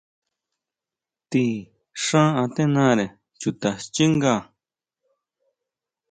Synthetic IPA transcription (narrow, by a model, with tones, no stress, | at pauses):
t̪i˧ | ʂã˦ã˧t̪ẽ˦nã˦˨ɾe˨ | t͡ʃu˧t̪a˨t͡ʃi˦ŋɡa˧˨